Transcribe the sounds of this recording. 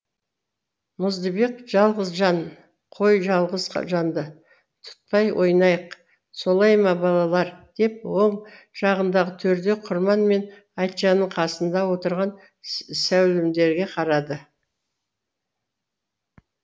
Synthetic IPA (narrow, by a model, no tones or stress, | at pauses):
mʊzd̪əbeqʒ̥ɑlˠʁəzʒɑn | qʰo̞jʒɑlˠʁəz̰ʒɑnd̪ə | t̪ʰʊ̥t̪̚pɑjwʔo̞̰jnɑjəq | so̞lˠɑjmɑbɑlˠɑlˠɑɾd̪̥e̞pwo̞ɴ | ʒ̥ɑʁənd̪ɑʁət̪ʰɵɾd̪e̞qʰʊɾmɑnme̞n | ɑjt̪ʒɑnəɴqʰɑsənd̪ɑwo̞t̪əɾʁɑn | sæwlɪmd̪e̞ɾɡʲe̞qʰɑɾɑd̪ə